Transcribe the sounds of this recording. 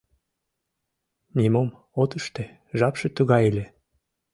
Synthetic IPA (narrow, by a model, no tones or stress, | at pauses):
nʲimom | ot̪əʃt̪e | ʒɑpʃet̪uɣɑjelʲe